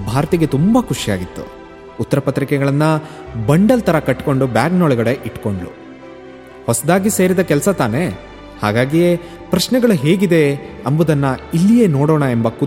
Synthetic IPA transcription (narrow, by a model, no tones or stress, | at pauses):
bʱaːɾɐt̪iɡe̞t̪umbɐkʰuʂija̰ːɡit̪ːṵ | ut̪ːɐɾɐpɐt̪ɾikɛɡɐɭɐnːɐ | bɐɳɖɐlt̪ʰɐɾɐkɐʈːko̞ɳɖubjaːɡnoːɭɛɡɐɽe̞ʔiʈko̞ɳɖlṵ | hɔsɐd̪aːɡise̞ːɾid̪ɐkɛlɐsɐt̪aːne̞ | haːɡaːɡije | pɾɐʃnɛɡɐɭuɦe̞ːɡid̪e̞ɐmbud̪ɐnːɐilːije̞ːnoːɽoːɳɐembɐku